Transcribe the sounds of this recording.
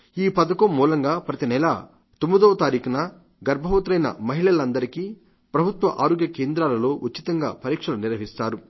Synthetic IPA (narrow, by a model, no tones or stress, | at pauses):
iːpɐd̪ɐkɐmːuːlɐŋɡaːpɾɐt̪inɛla̰ | t̪umud̪ɔːʋɐt̪aːɾiːkɐnɐ | ɡɐɾbʱɐʋɐt̪ɾɐjnɐ̰mɐɦiɭɐlɐnd̪ɐɾikiː | pɾɐbʱut̪ʋɐ̰ʔaːɾoːɡjɐkeːnd̪ɾaːlɐlo̞ːʔutːt͡ʃːit̪ɐŋɡa̰ːpɐɾiːkʂɐluniɾʋɐɦist̪aːɾu